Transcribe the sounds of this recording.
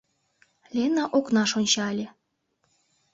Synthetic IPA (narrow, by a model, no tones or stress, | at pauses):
lʲenɑʔoknɑʃonʲt͡ɕɑlʲĕ